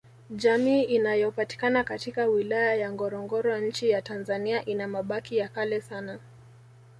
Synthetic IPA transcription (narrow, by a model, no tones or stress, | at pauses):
ʄamiːinajɔpati̥kanakatikawilajajaŋɡɔɾɔŋɡɔɾɔjaɲ̩t͡ʃijatanzaniaʔinamaɓakijakalɛsana